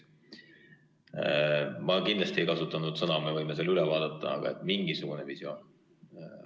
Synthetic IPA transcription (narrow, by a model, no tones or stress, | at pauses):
mɑkind̪lɑst̪iejkɑsut̪ːˑɑnud̪̥sɤnɑmevɤjmes̬elːylevɑːd̪̥ɑt̪ˑːɑ̰ɑ̰ɡ̥ɑ̰e̞t̪ːˑmiŋɡisuɡ̥une̞visio̞ːn